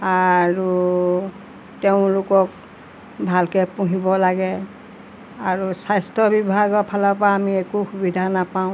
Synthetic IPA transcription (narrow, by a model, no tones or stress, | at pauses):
aɹu | teʊ̃lʊkɔk | bʱalkɛpuɦibɔlaɡɛ | aɹusajstɔbibʱaɡɔpʰalapaːmiɛkuxubidʱanapaʊ̃